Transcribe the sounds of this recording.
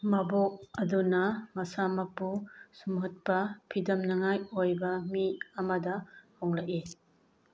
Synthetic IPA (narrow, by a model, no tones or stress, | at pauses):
mabok̚ɐdunɐmɐsamɐpusumɦɔt̚pɐpʰidɐmnɐŋajojbɐmiɐmɐdɐhoŋlaki